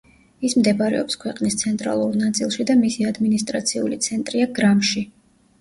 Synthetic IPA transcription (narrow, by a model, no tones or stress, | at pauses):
ismd̪ɛbaɾɛ̰ɔ̰pskʰwɛqʼnist̪sʰɛnt̪ʼɾa̰lˠuɾnat̪sʼilˠʃid̪amisiad̪minist̪ʼɾat̪sʰiṵlit̪sʰɛnt̪ʼɾiaɡɾamʃi